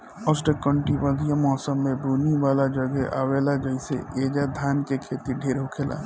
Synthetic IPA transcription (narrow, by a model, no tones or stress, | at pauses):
ɔsʈəkə̃ɳʈibəd̪ʱijamɔːsəmːẽbuːniʋaːlad͡ʒəɡɛʔa̰ːʋeːlad͡ʒəjsḛʔeːd͡ʒad̪ʱaːnkekʰeːt̪iɖʱeːɾɦʊkʰela̰